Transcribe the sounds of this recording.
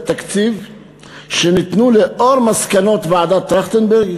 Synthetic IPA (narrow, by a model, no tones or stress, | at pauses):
t̪akt͡siv | ʃenit̪nuleʔoʁmaskano̞t̪vead̪at̪ʁaχt̪enbeʁɡ